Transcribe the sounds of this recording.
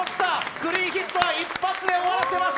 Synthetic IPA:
okɯ̥sakɯ̟ɾʲiːçʲit̪ːoβaipːat͡sɨd̪e̞oaɾase̞mas

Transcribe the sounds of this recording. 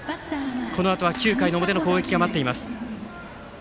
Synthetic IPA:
ko̞no̞at̪oβakʲɨːkainood̪e̞no̞ko̞ːe̞kʲiɡamat̪ːe̞imasɨ̥

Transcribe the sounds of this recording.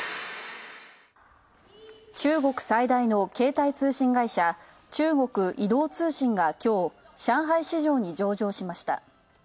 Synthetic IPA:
t͡ɕɨːɡo̞kɯ̟̥said̪aino̞ke̞ːt̪ait͡sɨːɕĩŋɡaiɕa | t͡ɕɨːɡo̞kɯ̟ʔid̪o̞ːt͡sɨːɕĩŋɡakʲo̞ː | ɕãɰ̃ɦaiɕiʑo̞ːɲ̟id͡ʑo̞ːʑo̞ːɕimaɕi̥t̪a̰

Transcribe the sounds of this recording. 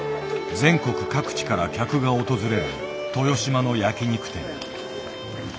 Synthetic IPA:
d͡zẽ̞ŋko̞kɯ̟̥kakɯ̟̥t͡ɕi̥kaɾakʲakɯ̟ɡao̞t̪o̞zɨɾe̞ɾɯ̟̰ | t̪o̞jo̞ɕimano̞jakʲiɲ̟ikɯ̟̥t̪ẽ̞̰ŋ

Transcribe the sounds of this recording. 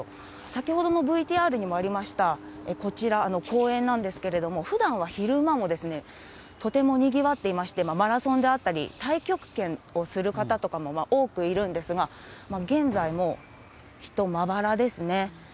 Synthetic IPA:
sakʲiho̞d̪o̞no̞bɯ̟it̪ʲiːaːɾɯ̟ɲ̟imo̞aɾʲimaɕi̥t̪aeko̞t͡ɕiɾaːno̞kʰo̞ːẽ̞nːãnd̪e̞sɨ̥ke̞ɾe̞d̪o̞mo̞ɸɯ̟d̪ãɰ̃βaçiɾɯ̟mamo̞d̪e̞sɨne̞ | t̪o̞t̪e̞mo̞ɲ̟iɡʲiβat̪ːe̞imaɕi̥t̪e̞mamaɾasõ̞nd̪e̞at̪ːaɾʲḭt̪aikʲo̞kɯ̟̥kẽ̞no̞sɨɾɯ̟kat̪at̪o̞kamo̞maʔo̞ːkɯ̟iɾɯ̟̃nd̪e̞sɨɡa | maɡẽ̞nd͡zaimo̞ | çi̥t̪o̞mabaɾad̪e̞sɨne̞

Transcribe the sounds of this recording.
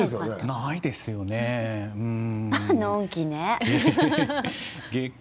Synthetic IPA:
esonaid̪e̞sɨjo̞neɯ̟̃ɴanõŋkʲine | ɡe

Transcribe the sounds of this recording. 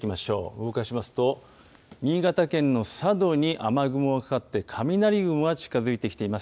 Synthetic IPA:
kʲimaɕo̞̰ːɯmokaɕimasɨ̥t̪o̞ | ɲ̟ʲiːɡat̪akẽ̞nːo̞sad̪o̞ɲ̟iʔamaɡɯ̟mɯokḁkat̪ːe̞kʰamʲinaɾʲiɡɯ̟mɯɡat͡ɕi̥kazɨit̪e̞kʲi̥t̪eimasɨ̥

